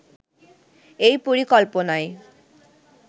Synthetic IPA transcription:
ejpoɾikɔlponaj

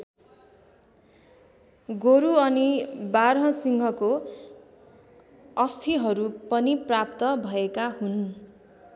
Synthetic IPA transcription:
ɡoɾuʌnibaɾɦʌ̃siŋɡʱʌko | ʌst̪ʰiɦʌɾupʌniprap̚t̪ʌbʱʌekahun

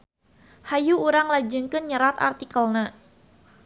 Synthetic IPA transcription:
hajuuɾaŋlad͡ʒɨŋkənɲəɾat̪a̰rt̪ikəlna

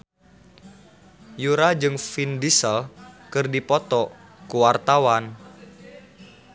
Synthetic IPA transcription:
juɾad͡ʒɨŋfindisəlkɨrdipɔt̪ɔ | kuwart̪awan

